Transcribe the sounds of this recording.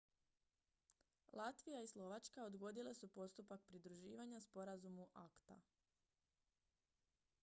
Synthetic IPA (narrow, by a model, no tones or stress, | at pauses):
lˠat̪ʋijaislˠo̞ʋat͡ʃkaod̪ɡo̞d̪ile̞supo̞st̪upak̚pɾid̪ɾuʒiːʋaɲaspo̞ɾazumuʔakt̪a̰